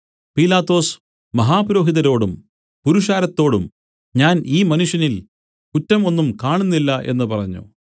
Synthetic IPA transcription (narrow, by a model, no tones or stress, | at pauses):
piːlaːt̪ːo̞ːs | mɐɦaːpɾo̞ːɦiðɐɾo̞ːɽum | puɾuʂaːɾɐt̪ːo̞ːɽṵm | ɲaːniːmɐnuʂjɐnil | kutːɐmo̞nːumkaːɳunːilːɐʔe̞̰nːɨpɐrɐɲːṵ